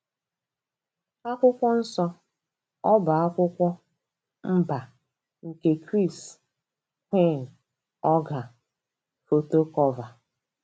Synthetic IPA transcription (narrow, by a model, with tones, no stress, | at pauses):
a˦kʷʊ˦kʷɔ˦n̩˦sɔ˦ | ɔ˦bʊ˨a˦kʷʊ˦kʷɔ˦ | m̩˦ba˨ | ŋ̩˨ke˦kɾi˦˨s | kʷe˦˨n̩˨ | ɔ˦ɡa˨ | fo˨to˦kɔ˦va˨